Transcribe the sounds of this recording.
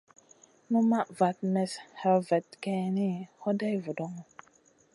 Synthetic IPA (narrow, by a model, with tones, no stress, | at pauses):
nu˦ma˦ʔva˨t̚mɛ˨sha˨lvɛ˨t̚ke˨ni˦ho˦da˦jvu˨do˦ŋ˨